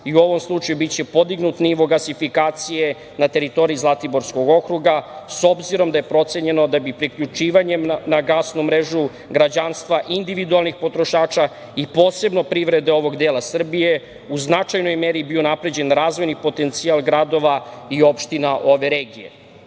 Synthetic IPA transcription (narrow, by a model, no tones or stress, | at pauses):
iuo̞ʋo̞mslˠut͡ʃajubit͡ɕe̞po̞d̪iɡnut̪niʋo̞ɡasifikaːt̪sije̞ | nat̪e̞ɾit̪o̞ɾiizlˠat̪ibo̞ɾsko̞ɡo̞kɾuɡaso̞bziɾo̞md̪aje̞pɾo̞t̪se̞ɲe̞no̞d̪abipɾikʎut͡ʃiːʋaɲe̞mnaɡasnumɾeʒu | ɡɾad͡ʑanst̪ʋaʔind̪iʋid̪ualˠnixpo̞t̪ɾo̞ʃaːt͡ʃa | ipo̞ːse̞bno̞pɾiʋɾe̞d̪eo̞ʋo̞ɡd̪eːlˠasr̩bije̞ | uznat͡ʃajno̞jmeɾibio̞napɾe̞d͡ʑe̞nɾaːzʋo̞jnipo̞t̪e̞nt̪sialˠɡɾad̪o̞ʋaio̞pʃt̪inaʔo̞ʋe̞ɾe̞ːɡije̞̰